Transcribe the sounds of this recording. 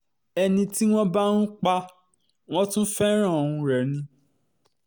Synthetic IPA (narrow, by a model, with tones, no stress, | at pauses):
ɛ˧nĩ˧ti˦w̃ɔ̃˦ba˦nũ˦k͡pa˦ | w̃ɔ̃˦tũ˦fɛ˦ɾ̃ã˦˨ũ˧ɾɛ˨nĩ˧